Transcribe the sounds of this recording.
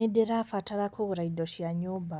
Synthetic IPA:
edeɾafataɾakʰoɣuɾaidoʃiaɲoba

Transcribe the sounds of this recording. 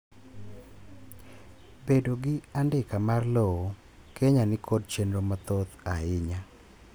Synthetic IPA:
bedoɡɪandɪkamarlɔwo | keɲanɪkʰod̚t͡ʃenɾomat̪ot̪aɪɲa

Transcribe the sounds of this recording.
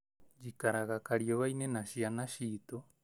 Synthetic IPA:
d͡ʒikaɾaɣakaɾioβainenaʃianaʃit̪o

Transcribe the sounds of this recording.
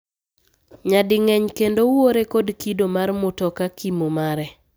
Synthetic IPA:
ɲadɪŋɛɲkendowoɾekodkidomarmʊtɔkakimomaɾɛ

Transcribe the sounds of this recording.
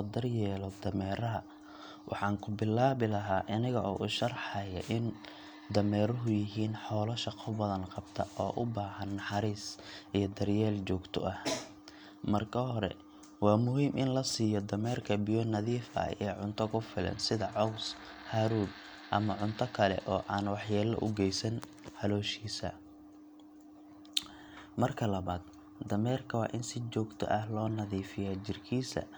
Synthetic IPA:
d̪ɐrjɛːlɔd̪ɐmɛːɾɐɦɐ | wʔɑ̰ħɑːŋkʰʊbɪlːaːβɪlɐɦaːʔɐnɪɣɐʔɔ̰ːʔʊʃɐrħɑjɐ̰ʔɪn | d̪ɐmɛːɾʊɦʊjɪɦiːnħɔːlɐʃɑqʰɔbɐðɐnqɑbt̪ʰɐʔɔːʔʊbaːhɐnːɑħɑɾiːsʔijɞd̪ɐrjɛːlt͡ʃɔːɡt̪ʰɔ̰ʔɐh | mɐrkʰɐɦɔɾɛ̰ | wɑːmʊɦiːmʔɪnlɐsiːjɔd̪ɐmɛːrkʰɐbɪjɔnɐðiːfɐ̰ɛːʕʊnt̪ʰɔkʰʊfɪlɐ̰nsɪðɐʕɔws | haːɾuːd̪ | ʔɐmɐʕʊnt̪ʰɔkʰɐlɛ̰ʔɔːʔaːnwɑħjaːlɐ̰ʔʊ̰ɡɛjsɐn | ħɑlɔːʃiːsɐ̰ | mɐrkʰɐlɐβaːd̪ | d̪ɐmɛːrkʰɐwɑ̰ːʔɪnsɪt͡ʃɔːɡt̪ʰɔ̰ʔɐhlɔːnɐðiːfɪjaːt͡ʃɪrkʰiːsɐ̰

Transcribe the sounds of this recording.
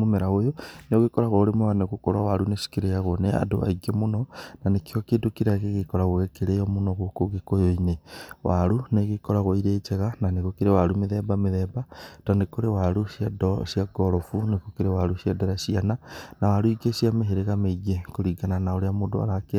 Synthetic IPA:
momɛɾaɣojoneoɣekɔɾaɣɔoɾemowaneɣokoɾawaɾunesi̥keɾeaɣonea̰do̰ʔa̰iɡemonɔnanekiɔkeːdokiɾeaɣeɣekɔɾaɣoɣɛkeɾeɔmonɔɣokoɣekojoinewaɾuneɣekɔɾaɣoiɾet͡ʃɛɣananeɣokeɾewaɾumeðɛbameðɛbatanekoɾewaɾusjadɔsiaɡɔɾɔfunekokeɾewaɾusiadɛɾasiananawaɾuiɡesiameɦeɾeɣameiɣekoɾiɡananaoɾeamodo̰a̰ɾake

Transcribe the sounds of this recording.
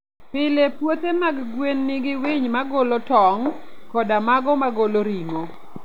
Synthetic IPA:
pɪlepwot̪emaɡɡwenːɪɡɪwɪɲmaɡolotɔŋkɔdamaɡɔmaɡoloɾiŋo

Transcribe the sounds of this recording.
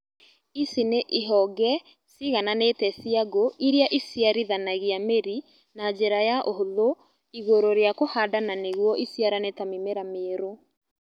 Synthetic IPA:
isineʔiɦɔɡɛ | siɣananetɛsiaɡoiɾeaʔisjaɾiðanaɣiameɾi | nad͡ʒeɾajaʔohoðo | iɣoɾoɾeakohadananeɣwɔʔisjaɾanetamimeɾameɾo

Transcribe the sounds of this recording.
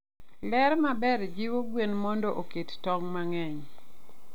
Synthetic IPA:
lɛɾmabɛɾd͡ʒiwoɡwenmɔndɔʔokettɔŋmaŋɛɲ

